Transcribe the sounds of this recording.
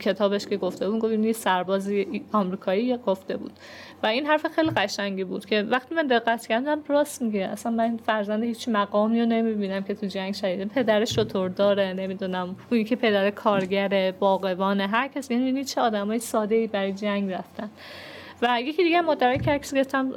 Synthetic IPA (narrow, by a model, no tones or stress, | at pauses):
cʰe̞t̪ʰɒːbeʃkʰe̞ɡo̞ft̪e̞bud̪ɡofinjesæɾbɒːziɒmɾiːkʰɒːiːjeɡoft̪e̞bṵːd̪̥ | væinɦæɾfexejliɣæʃæŋɟibuːd̪̥kcʰe̞væxt̪imænd̪e̞ɣːæt̪cʰæɾd̪æmɾɒːsmiɡʔæ̰sænmænfæɾzænd̪ehiːt͡ʃmæɣɒːmiːjone̞mibiːnæmkʲcʰe̞t̪ʰud͡ʒæŋɡʃæd̪iːd̪epʰe̞d̪æɾeʃo̞t̪ʰoɾd̪ɒːɾene̞mid̪uːnæmunicʰepʰe̞d̪æɾekʰɒːɾɟæɾe̞bɒːɣe̞vɒːneɦæɾcʰæsenbinit͡ʃʰeɒːd̪æmɒːjesɒːd̪e̞iːbæɾɒːjed͡ʒæŋɡɾæft̪æn | væjekʰid̪iɡeæmːɒːd̪æɾɒːjecʰehæɾkʰæ̥sɡeeft̪æm